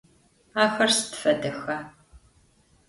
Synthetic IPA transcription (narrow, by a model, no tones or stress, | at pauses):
aːxɐrstfɐdɐxɐ